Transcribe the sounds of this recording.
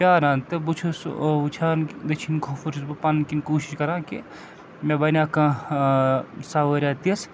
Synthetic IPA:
pʲjaːɾãːnt̪ebut͡ʃʰusut͡ʃʰaːnd̪ɐt͡ʃʰinkʰofuɾt͡ʃʰusbɐpankinkuːʃi̥ʃkɐɾãːki | mẽbɐnʲaːkãː | saːʋɐɾʲaːt̪iɐs

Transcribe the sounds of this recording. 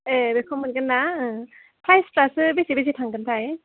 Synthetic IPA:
ebekʰɔmɯnkɡɯnːaɯ | pʰɾajspɾasɯbesibesitʰaŋɡɯntʰaj

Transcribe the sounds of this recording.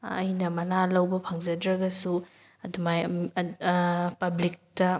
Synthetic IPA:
ɐ̰jnɐmɐnalɐwbɐpʰɐŋzɐdɾɐɡɐsu | ɐdumaj | pɐblik̚tɐ

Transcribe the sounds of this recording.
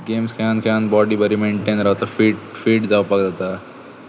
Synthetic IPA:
ɡemskʰankʰeanbɔɖiːbəɾimeɳʈenɾaʋt̪afiːʈfiːʈd͡zawpaɡd̪at̪a

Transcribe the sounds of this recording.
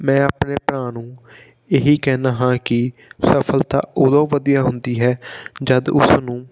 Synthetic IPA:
mɛ̃ːaːpneːpɾãːnũː | eːɦiːkɛːnaːɦãːkɪsəpʰəlt̪ã̰ːʊd̪õːʋəd̪ijaːɦʊnd̪iːɦɛːd͡ʒəd̪ʊ̰snũː

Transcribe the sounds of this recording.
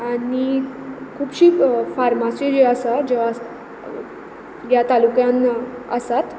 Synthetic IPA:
anikʰuːbɕiːfaɾmasjod͡ʑeəsad͡ʑeʋa | jat̪alukjãnəsat̪

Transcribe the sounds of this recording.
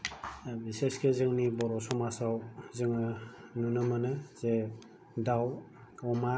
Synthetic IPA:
biseskezɯŋnibɔɾɔsɔmasawzɯŋɯnunɯmanɯze | daw | ɔma

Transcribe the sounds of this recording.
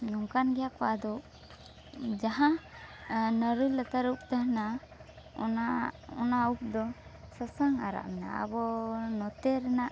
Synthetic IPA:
nɔŋkanɡɛjakɔwad̪ɔʔ | d͡ʒaɦã | nəɾələt̪aɾup̚t̪aɦna | ɔ̰naɔnaup̚d̪ɔsəsəŋaɾa̰ʔmɛna̰a̰bɔnɔt̪eɾɛnaʔ

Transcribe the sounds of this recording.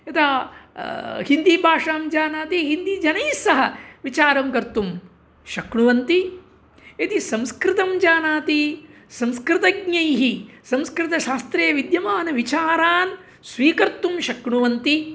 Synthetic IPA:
ɐt̪aː | hind̪ibʱaːʂaːmd͡ʒaːnaːt̪iɦind̪id͡ʒɐnɐjsɐɦɐʋit͡ʃaːɾɐmkɐɾt̪um | ʃɐkɳuʋɐnt̪i | et̪isɐ̃mskɾɪt̪ɐmd͡ʒaːnaːt̪i | sɐ̃mskɾɪt̪ɐɡɲɐjɦisɐ̃mskɾɪt̪ɐʃaːst̪ɾeːʋid̪jɐmaːnɐʋit͡ʃaːɾaːn | sʋiːkɐɾt̪umʃɐkɳuʋɐnt̪i

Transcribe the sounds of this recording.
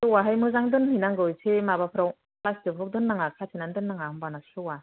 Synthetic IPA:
sɯwaɦajmɯzaŋdɯnhinaŋɡɯjsʰemabapʰɯɾaw | plasdɯpʰɯk̚dɯnːaŋakʰatʰinandɯnːaŋahɯmbanasɯwa

